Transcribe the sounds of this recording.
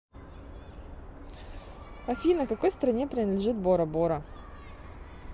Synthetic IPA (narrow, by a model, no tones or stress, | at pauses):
ɐfʲinəkɐko̞jst̪ɾɐnʲepɾʲɪnəd̪lʲɪʐɨt̪̚boɾəboɾə